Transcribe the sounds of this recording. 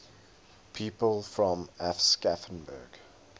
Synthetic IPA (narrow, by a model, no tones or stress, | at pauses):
pʰiːpəlˠfɹɔ̃mɛfskafə̃nbə̰ɡ